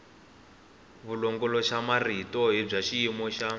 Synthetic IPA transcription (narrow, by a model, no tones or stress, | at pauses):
βulɔŋɡɔlɔʃamaritɔɦib͡ʐaʃiimɔʃa